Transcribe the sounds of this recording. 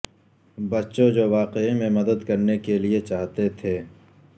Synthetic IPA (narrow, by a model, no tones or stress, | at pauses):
bɐtːʃõd͡ʒoːʋaːqeimẽmɐd̪əd̪kɐɾnekeliet͡ʃaːɦt̪et̪ʰeː